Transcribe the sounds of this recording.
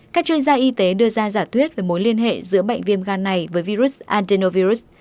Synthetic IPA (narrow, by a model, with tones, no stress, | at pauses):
kaː˦˥k̚t͡ɕwi˧ənzaː˧ʔi˧t̪e˨˦ɗɨ˧əzaː˧zaː˧˩t̪ʰwi˦˥ət̚ve˨˩mo˨˦jli˧ənɦḛ˧˨zɨ̰˧˥əɓə̰˧˨jŋ̟vi˧əmɣaː˧˩nːa˨˩jvəː˨˦jvi˧ɾu˦˥sʔaː˧nte˧no˧vi˧ɾu˦˥s